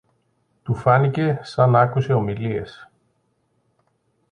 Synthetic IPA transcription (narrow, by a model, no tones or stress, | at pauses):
t̪ufanicesanakuseomiliḛs